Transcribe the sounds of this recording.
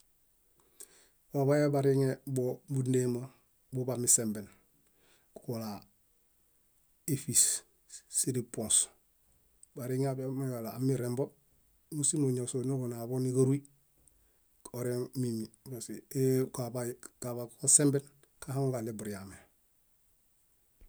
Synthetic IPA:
wabajabaɾiŋebobundema | bubamisemben | kukola | efis | siɾipõns | baɾiŋeabemaɡalaːmiɾembo | musimoɲosonoɡonabonikaɾui | oɾeŋmimibasiekabakabakukasemben | kahaŋɡalebuɾijame

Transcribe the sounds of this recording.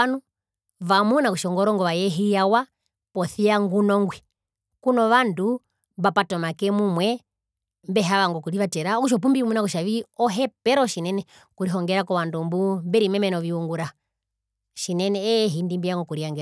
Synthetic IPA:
nu | vamunakuʃɔŋɡɔɾɔŋɡɔʋajɛɦijawa | pɔθiaŋɡunɔŋɡwɛ | kunɔʋandu | βapatɔmakɛmumwɛ | mbɛɦaʋaŋɡɔkuɾiʋatɛɾaɔkuʃ̬ɔp̬umbimunakuʃaʋiɔɦɛpɛɾɔʃinɛnɛ | kuɾiɦɔŋɡɛɾakɔʋandumbumbɛɾimɛmɛnɔʋiuŋɡuɾa | ʃinɛnɛːɦindimbijaŋɡɔkuɾiaŋɡɛɾ

